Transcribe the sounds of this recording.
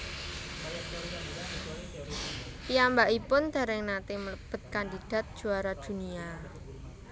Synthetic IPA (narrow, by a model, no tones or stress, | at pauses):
piambaʔipʊnd̪̥a̤ɾɛŋnat̪eməb̥ə̤t̪̚kandid̥a̤t̪̚d̥ʒ̥ṳaɾad̪̥ṳnia